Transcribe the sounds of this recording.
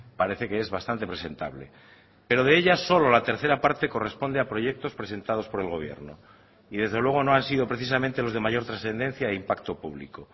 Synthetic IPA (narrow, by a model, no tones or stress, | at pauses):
paɾe̞θe̞keezβast̪ant̪e̞pɾese̞nt̪a̰βle̞̰ | pe̞ɾo̞ð̞e̞eʎaso̞lo̞lat̪e̞ɾθe̞ɾapaɾt̪e̞ko̞re̞spo̞nd̪eapɾo̞ʝe̞k̚t̪o̞spɾese̞nt̪að̞o̞spo̞ɾe̞lɣo̞βje̞̰ɾno̰ | iðe̞zðe̞lwe̞ɣ̞o̞no̞ansiðo̞pɾeθis̬amẽnt̪e̞lo̞zð̞e̞maʝo̞ɾt̪ɾasθe̞nd̪e̞n̟θjaeimpakt̪o̞puβ̞lḭko